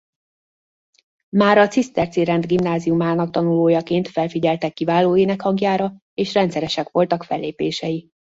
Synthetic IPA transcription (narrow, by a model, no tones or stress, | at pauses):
maːɾɒt̪sist̪ɛrt̪siɾɛnd̪ɡimnaːzijumaːnɒk̚t̪ɒnuloːjɒkeːnt̪fɛlfiɟɛlt̪ɛkːivaːloːeːnɛkhɒŋɡjaːɾɒ | eːʃrɛnt̪sɛɾɛʃɛkʋo̞lt̪ɒkfɛlːeːpeːʃɛji